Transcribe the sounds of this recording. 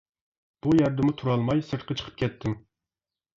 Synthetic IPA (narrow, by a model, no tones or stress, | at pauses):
b̥ujɛɾd̪ɨmʊt̪ʰuɾɑlˠmɑjsɨɾt̪qʰɑt͡ʃʰə̥qʰə̥p̚kʲɛt̪ʰːɪm